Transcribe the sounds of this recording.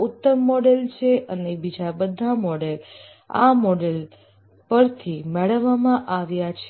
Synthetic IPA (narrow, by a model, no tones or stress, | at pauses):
ut̪ːəmːɔɖelt͡ʃʰeʔənebid͡ʒabəd̪ʱamɔɖel | a̰mɔɖel | pəɾt̪ʰimɛɭəʋːamãʔaʋjat͡ʃʰ